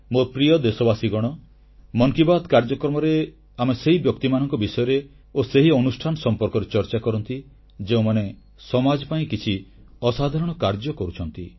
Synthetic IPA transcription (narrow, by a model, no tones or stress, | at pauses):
mopɾijɔd̪esɔbasiɡɔɽ̃ɔ | mɔŋkibad̪kaɾd͡ʒɔkɾɔmɔɾe | ameseɦibjɔk̚t̪imanɔŋkɔbisɔjɔɾe | oseɦiɔnusʈʰanɔsɔmpɔɾkɔɾet͡ʃɔɾt͡ʃakɔɾɔnt̪i | d͡ʒeũmane | sɔmad͡ʒɔpaĩkit͡ʃʰi | ɔsad̪ʱaɾɔɽ̃ɔkaɾd͡ʒɔkɔɾut͡ʃʰɔnt̪i